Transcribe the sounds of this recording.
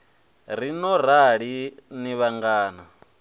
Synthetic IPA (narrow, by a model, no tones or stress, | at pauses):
ɾinɔɾ̤aɺiniβaŋɡaːna